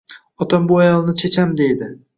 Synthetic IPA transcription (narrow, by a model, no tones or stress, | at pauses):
ɒt̪ʰambʊajɒlˠnɪt͡ʃʰet͡ʃʰamd̪e̞jd̪ɪ